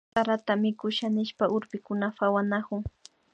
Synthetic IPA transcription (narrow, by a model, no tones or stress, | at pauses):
aɾat̪amɪkʊʃanɪʃpaʔʊɾpɪkʊnafawanakʊŋ